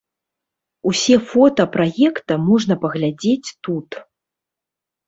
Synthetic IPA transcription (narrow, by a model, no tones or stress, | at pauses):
usʲɛfɔt̪ɐpɾajɛkt̪ɐmɔʐn̪ɐpɐɣlʲad͡zʲet͡sʲt̪ut̪